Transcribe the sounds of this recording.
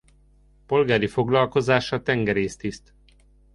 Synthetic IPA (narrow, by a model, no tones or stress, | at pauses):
po̞lɡaːɾifo̞ɡlɒlko̞zaːʃɒt̪ɛŋɡɛɾeːst̪ist̪